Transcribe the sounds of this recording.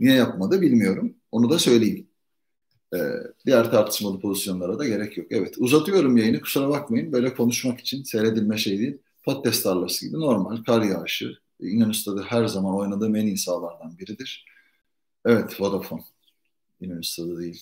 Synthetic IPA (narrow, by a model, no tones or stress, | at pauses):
nijɛjapmad̪ɯbilʲmijo̞ɾumo̞nud̪asø̞jlʲejin | ɛ̰ːd̪̥ijæɾt̪ʰaɾt̪ʰɯ̥ʃmalˠɯpʰo̞zisjo̞nlˠaɾad̪aɟe̞ɾɛcʰjo̞kɛvɛt̪ʰuzat̪ʰɯjo̞ɾumjajɯnɯkʰu̥suɾabakmajɯnbø̞jlʲɛkʰo̞nuʃmaki̥t͡ʃʰinsejɾe̞d̪ilʲmɛʃe̞jd̪iːlʲ | pʰo̞t̪̚cʰɛst̪aɾlˠaɾɯsɯɟḭbino̞ɾmalʲkʰaɾjaːʃɯ̰ | ind̪onyst̪ʰad̪aɦæɾzamano̞jnad̪ɯmeninsaːlˠaɾd̪anbiɾid̪iɾ̥ | ɛvɛt̪vod̪afon | inonyst̪ʰad̪ad̪ejilʲ